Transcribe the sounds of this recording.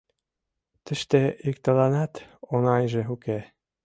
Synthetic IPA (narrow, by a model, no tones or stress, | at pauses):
t̪ə̆ʃt̪ĕik̚t̪ɤ̆lɑnɑt̪onɑjʒĕuke